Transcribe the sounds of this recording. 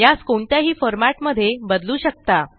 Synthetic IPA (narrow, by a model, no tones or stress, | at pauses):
jaskoɳt̪jaɦiːfɔɾmaʈməd̪ʱːjebəd̪luːɕək̚t̪a